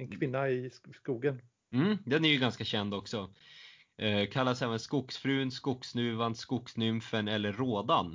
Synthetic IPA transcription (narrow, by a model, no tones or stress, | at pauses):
ɛnkʰvɪnːaɪskuːɡən | m̩ːd̪ɛnæɾjɵɡanskaɕɛnd̪ɔksɔ | kʰalːasɛːvənskʊksfɾʉ̟ːnskʊksnʉ̟ːvand̪skʊksnʏmfənɛlːəɾːoːd̪an